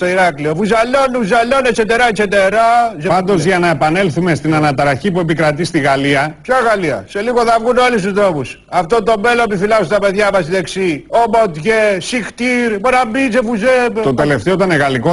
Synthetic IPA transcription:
st̪oiɾɐkliovuzɐlo̞nuzɐlo̞nekset̪eɾɐekset̪e̞ɾɐzepɐnd̪o̞zʝɐnɐe̞pɐne̞lθume̞st̪inɐnɐt̪ɾɐçipue̞pikɾɐt̪ist̪iɣɐliɐpçɐɣɐliɐ̰se̞liɣoðɐvɣunolist̪ust̪ɾo̞pus | ɐft̪ont̪o̞me̞lonepifilɐzut̪ɐpe̞ðʝɐmɐsiðeksiomot̪ʝesixt̪iɾmonɐmbit͡sefuzept̪ot̪eleft̪eot̪ɐneɣɐliko

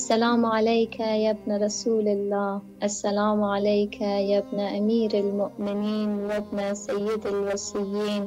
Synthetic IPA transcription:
ʔʔasːalaːmʕalajkajabnaɾˤɑsuːlalːaːhʔasːalaːmʕalajkʰajabnaʔamiːɾalmʊʔmɪniːnwabnasajːɪd̪alwasɪjːiːn

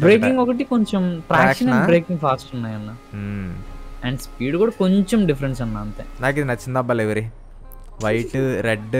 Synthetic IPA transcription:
bɾeːkiŋɡokɐʈ̬ikoɲt͡ʃomʈɾaːkːʂɐnɐnbɾeːkiŋɡfaːsʈunːaːjɐnːa | ɐɳɖspiːɽkuːɽɐkoɲt͡ʃomɖifɐɾens̬ɐnːaːɐnt̪ḛnaːk̬id̪inɐt͡ʃːind̪ɐbɐleʋɐɾi | ʋɐjʈːɨɾeɖ

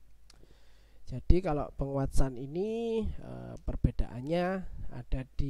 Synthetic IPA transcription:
d͡ʒ̥ad̥ikalo̰ʔpəŋuwat̪saniniə̰pərb̥ed̥aʔanɲaa̰d̥ad̥i

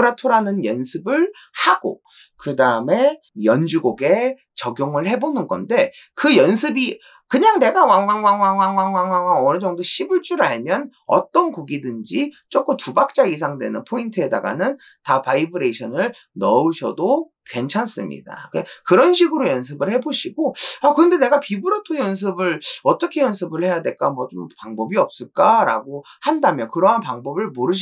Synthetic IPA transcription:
ɾatʰoɾanɯnjʌnsʰɯbɯɭ | haɡ̥o̰ | kɯdaɯme̞ | jʌnd͡ʑuɡoɡe̞ | t͡ɕʌɡjoŋɯɭhe̞bonɯnɡʌ̰nde̞ | kɯjʌnsʰɯbi | kɯɲaŋne̞ɡawaŋwaŋwaŋwaŋwaŋwaŋwaŋwaŋwaŋʌnɯd͡ʑʌŋdoɕʰibiɭt͡ɕ͈uɾaɭmjʌn | ʌ̰t͈ʌnkoɡidɯnd͡ʑit͡ɕ͈ok͈ɯmtubak̚t͡ɕ͈ais̬ʰaŋdwe̞̰nɯnpʰointʰɯe̞da̰ɡa̰nɯn | tapaibɯɾe̞iɕʰʌnɯɭ | nʌɯɕʰʌdo | kwe̞nt͡ɕʰans͈ɯmɲḭda̰kekɯɾʌnɕʰiɡɯɾojʌns̬ʰɯbɯɭhe̞boɕʰiɡoakɯɾʌnde̞ne̞ɡapibɯɾotʰojʌns̬ʰɯbɯɭʌt͈ʌkʰe̞jʌnsʰɯbɯɭhe̞jadwe̞ɭk͈amwʌt͡ɕompaŋbʌbiʌp̚s͈ɯɭk͈aɾa̰ɡohandamjʌnkɯɾʌɦanpaŋbʌbɯɭmoɾɯɕʰ

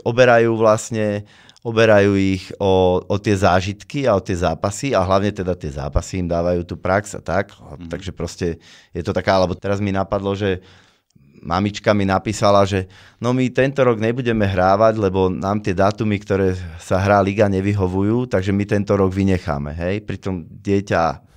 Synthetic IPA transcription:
ɔbɛɾajuːʋlasɲɛ | ɔbɛɾajuːiɣɔɔt̪ɪɛzaːʒit̪kiaɔt̪ɪɛzaːpasiaɦlaʊɲɛt̪ɛd̪at̪ɪɛza̰ːpasiːmd̪aːʋajuːt̪uːpɾakz̥a̰t̪akt̪aɡʒɛpɾɔscɛjɛt̪ɔt̪akaalɛbɔt̪ɛɾazminapad̪lɔʒɛ | ma̰mit͡ʃkaminapiːsalaʒɛ | nɔmit̪ɛnt̪ɔɾɔɡɲɛbuɟɛmɛɦɾaːʋaɟlɛbɔnaːmt̪ɪɛd̪aːt̪umikt̪ɔɾɛːsaɦɾaːliɡaɲɛʋiɦɔʋujuːt̪aɡʒɛmit̪ɛnt̪ɔɾɔɡʋiɲɛxa̰ːmɛ̰ɦɛjpɾit̪ɔmɟɪɛca̰

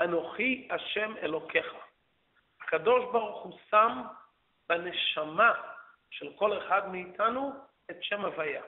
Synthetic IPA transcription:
anoχiaʃe̞me̞̰lo̞kʰe̞χa | hakado̞ʃbaʁuχusam | bene̞ʃama | ʃe̞lko̞le̞χadmeitʰanu | etʃe̞mavaja

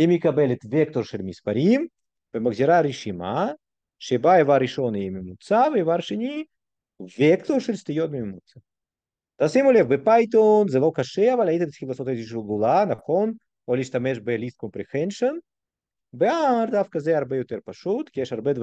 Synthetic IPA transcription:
emʲikabelʲet̪vʲekt̪oɾʃelʲmʲispaɾʲim | b̥emɐɡzʲiɾaɾeʃima | ʃebaevaɾiʃonemʲimut͡savevaɾʃenʲi | vʲekt̪oɾʃelʲst̪ɪjot̪̚mʲimmut̪t͡sa | d̪̥asimolʲefbepajt̪onzɛlˠokaʃɛavalʲajit̪ed̪skʲilˠosot̪eziʃ̬voɡulˠanɐfxon | olʲiʃt̪ameʃbelʲist̪kompɾʲixɛnʃon | beaɾd̪afkɐzɛɐɾbɛjot̪eɾpaʃut̪kʲijɛʃɐɾbed̪

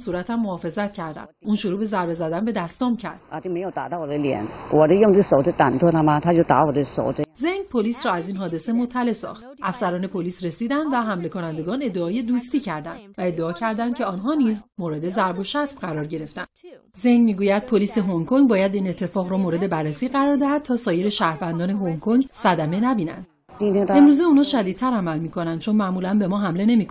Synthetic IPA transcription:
suːɾæt̪ʰæmːohɒːfe̞zæt̪̚cʰæɾd̪æ̰mʔuːnʃoɾuːbe̞zæɾbe̞zæd̪ænbe̞d̪æst̪ɒːmcʰæɾd̪̥at̪omejoʊt̪a̰t̪ɑʊwɔd̪əljɛ̰nwʔɔd̪əjʊŋt͡səsoʊʈ͡ʂət̪a̰nt̪ʰot̪ʰamat̪ʰat͡ɕoʊt̪a̰wɔd̪əso̰ʊəzeŋɡpʰoliːsɾɒːæziːnɦɒːd̪e̞se̞mot̪ʰːæle̞sɒ̰χt̪ʔæfsæɾɒːne̞pʰoliːsɾe̞siːd̪ænd̪væɦæmle̞kʰo̞nænd̪e̞ɡɒːne̞d̪ːeɒːje̞d̪uːst̪iːcʰæɾd̪æ̰nd̪̥væe̞d̪ːeɒːcʰæɾd̪ænd̪̥̚cʰe̞ɒːnɦɒːniːzmoːɾe̞d̪e̞zæɾbo̞ʃæt̪v̥ɢæɾɒːɾɟe̞ɾe̞ft̪ænd̥̪ | ze̞ŋɡmiːɡuːjæd̪̚pʰoliːse̞ɦoŋkʰoŋbɒːjæd̪iːne̞t̪ʰːe̞fɒːɣɾɔmoːɾe̞d̪e̞bærːesiːɣæɾɒːɾd̪æhæd̪̚t̪ʰɒːsɒːje̞ɾeʃæːɾvænd̪ɒːne̞ɦoŋkʰoŋɡsæd̪æme̞næbiːnæ̰nd̪̥ | e̞mɾuːzeuːnɒːʃæd̪iːt̪̚t̪ʰːæɾæmælmiːkʰo̞nænd̪̥̚t͡ʃʰo̞nmæʔmuːlænbe̞mɒːɦæmle̞ne̞mikʰo

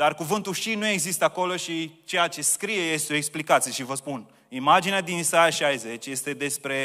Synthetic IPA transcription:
d̪arkuvɨnt̪uʃinue̞ɡzist̪əako̞lo̞ʃit͡ʃe̞jat͡ʃe̞skɾije̞je̞st̪eo̞eksplikat̪sijeʃivəspun | imad͡ʒinead̪insajaʃajze̞t͡ʃʲje̞st̪e̞d̪e̞spɾe̞

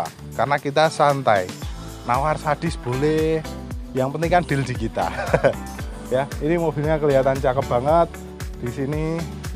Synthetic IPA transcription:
karnakit̪̬asant̪ai | nawarsad̥ɪ̤sb̥o̤lɛ | jaŋpəniŋkand̪̥ɪ̤ld̪̥i̤kit̪a̰ | jainimob̥i̤lɲakəliɦat̪ant͡ʃakəp̚b̥a̤ŋət̪̚ | d̪̥isini

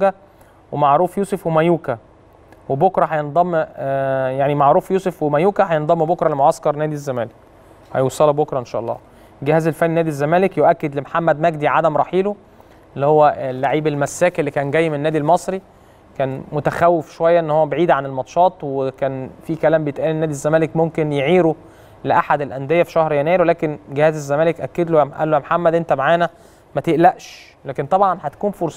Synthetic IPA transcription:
ɡæ | wemaʕɾuːfjuːsefwemæjuːkæ | webokɾˤɑɦɑjend̪ˤɑmː | jaʕnimaʕɾuːfjuːsefwemæjuːkæhɑjend̪ˤɑmːbokɾˤɑlemoʕɑskɑɾˤnæːd̪izːæmæːlek̚ | hɑ̰jowsˤɑlɑbokɾˤɑʔenʃæːʔɑlˤːɑ̰ː | ɡehæːzelfæninæːd̪izːæmæːlekjoʔækːed̪lemħamːæd̪mæɡd̪iʕad̪æmɾˤɑħiːlo | elːihowːælːaʕiːbelmæsːæːkelːikæːnɡæjːmenenːæːd̪ilmɑsˤɾi | kæːnmot̪æxæwːefʃowæjːæʔenːhowːæbeʕiːd̪ʕanelmɑt̪ʃɑːt̪ˤwekæːnfikælæːmbejet̪ʔæːlinːæːd̪izːæmæːlekmomkenjeʕiːɾo | leʔaħad̪elʔænd̪ejːæfi̥ʃæhɾjænæːjɾwelæːkenɡehæːzezːæmæːlekʔækːed̪loʔæ̰lːojæmħamːæd̪ʔent̪æmaʕaːnæ | mæt̪eʔlæʔʃ | læːkent̪ˤɑbʕɑnhæt̪æ̥kuːnfoɾsˤ

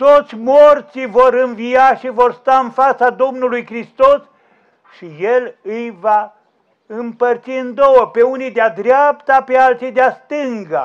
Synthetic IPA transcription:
t̪o̞t̪sʲmort̪sijvo̞ɾɨnvijaʃivo̞rst̪aɨnfat̪sad̪o̞mnulujkɾist̪o̞s | ʃije̞lɨjva | ɨmpərt̪siɨnd̪o̞wəpe̞unijd̪ead̪ɾeapt̪apealt̪sijd̪east̪ɨŋɡə̰

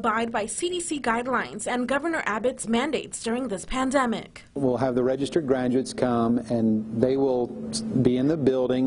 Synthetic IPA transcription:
baɪd̚baɪsiɾisiɡaɪdˡlãɪ̃nzɨ̃nɡʌvə˞nə˞ʔæbɨtsmæ̃ndeɪtsd̥ʊɹɪ̃ŋðɪspʰæ̃ndɛmɪ̰k | wɪlˠəvðəɹɛd͡ʒɨstə˞d̚ɡɹæ̃nd͡ʒʉɨtskʰʌ̃mɨ̃nðeɪwɪlˠbiɨ̃nðɨbɪlˠdɪ̃ŋ

